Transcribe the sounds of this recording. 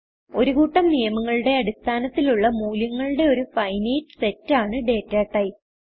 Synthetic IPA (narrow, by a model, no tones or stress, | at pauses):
o̞ɾuɣuːʈːɐmnijɐmɐŋːɐɭuɽe̞ɐɽist̪ʰaːnɐt̪ːiluɭːɐmuːljɐŋːɐɭuɽe̞o̞ɾufɐjnejtːɨ̥se̞tːaːɳɨɖe̞ːtːaːʈːɐj